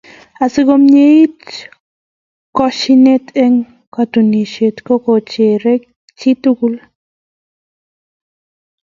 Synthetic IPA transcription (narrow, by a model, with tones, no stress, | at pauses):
a˨si˦ko˦mɲe˦i˦t | kɔ˧ʃine˦t̪e˦ŋ | kat̪u˨ni˨ʃe˨t̪ko˦ko˨t͡ʃe˨ɾe˦k̚ | t͡ʃi˦t̪uku˧l